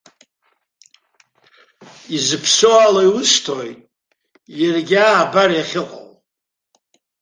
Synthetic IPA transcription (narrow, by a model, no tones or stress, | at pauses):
izɨpʰsoalajwʊʂtʰojtʼ | jarɡʲaːbarjaχʲɪqʼa̰l